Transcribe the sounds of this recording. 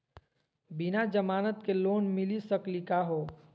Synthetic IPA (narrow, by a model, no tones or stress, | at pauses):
bɪnad͡ʒəmaːnət̪keloːnmɪlisəklikaɦoː